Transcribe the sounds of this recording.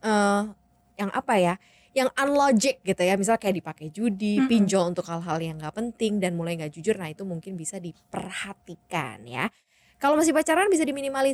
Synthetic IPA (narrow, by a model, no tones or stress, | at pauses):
ʔə | jaŋʔa̰paja | jaŋanlod͡ʒɪk̚ɡit̪ujamis̬alakajaʔdipakɛd͡ʒudippiɲd͡ʒɔunt̪ʊkhalɦaljaŋɡapənt̪ɪŋdanmulajŋɡaʔd͡ʒud͡ʒʊrnahit̪umuŋkɪnbisadipərhat̪ika̰nja̰ | kalowmas̬ibat͡ʃaɾaanbisadiminimali